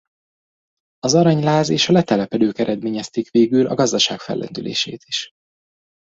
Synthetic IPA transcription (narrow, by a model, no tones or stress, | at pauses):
ɒzɒɾɒɲlaːzeːʃɒlɛt̪ɛlɛpɛd̪øːkɛɾɛd̪meːɲɛst̪ikʋeːɡylʔɒ̰ɡɒzd̪ɒʃaːkfɛ̰lːʔɛ̰nd̪ylḛːʃḛːt̪i̥ʃ